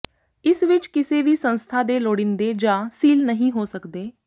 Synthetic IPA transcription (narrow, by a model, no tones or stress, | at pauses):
ɪsʋɪt͡ʃkɪseːʋiːsə̃nst̪ʰaːd̪eːloːɽɪnd̪eːd͡ʒaːsiːlnəɦĩːɦoːsəkd̪eː